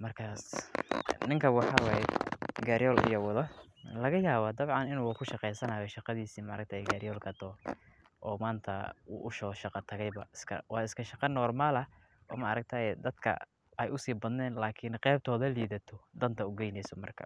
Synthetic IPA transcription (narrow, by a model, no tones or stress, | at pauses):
mɐrkʰaːs | nɪŋkʰɐwɑħɑwɑːjɛɡaɾjɔːlɪ̰jɔwɑðɐ | lɐɣɐjaːβɐd̪ɐβʕɑnɪnukʰʊʃɑqɛjsɐnajɔʃɑqɑðiːsiːmɐʔɾɐk̚t̪ʰɐɛɡaɾjɔːlkʰɐt̪ʰɔː | ʔɔːmaːnt̪ʰɐ̰ṵːʔʊʃɔʃɑqɑt̪ʰɐɣɛjβɐɪskʰɐ̰wɑːɪskʰɐʃɑqɑnɔːrmaːlɐ | ʔɔ̰ːmɐɐɾɐk̚t̪ʰɐɛd̪ɐd̪̥kʰɐ̰ | ɛjʔʊsiːbɐðnɛːnlaːkʰɪnqɛːb̚t̪ʰɔːðɐliːðɐt̪ʰɔd̪ɐnt̪ʰɐʊɡɛjnɛjsɔmɐrkʰɐ̰